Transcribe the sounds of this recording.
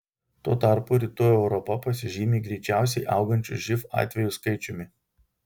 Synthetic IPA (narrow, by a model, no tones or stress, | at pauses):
t̪oːt̪ɑˑɾpʊɾʲɪt̪uːjɛʊɾɔpɐpɐsʲɪʒʲiːmʲiːɡɾʲɛɪt͡ʃʲæˑʊsʲɛɪʔɐʊɡɐnʲt͡ʃʲʊʒʲɪfɑ̰ːt̪ʲʋʲɛjʊskɐɪt͡ʃʲʊmʲɪ